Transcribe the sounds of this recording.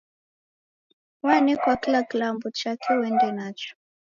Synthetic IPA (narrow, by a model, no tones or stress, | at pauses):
wanɛkwakilakilambɔt͡ʃakʰɛwɛndɛnat͡ʃɔ̥